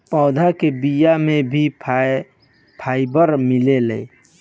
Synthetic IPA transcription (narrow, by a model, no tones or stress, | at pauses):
pɔ̃ʊd̪ʱakebijamebʱi | pʰaibəɾmilelɛj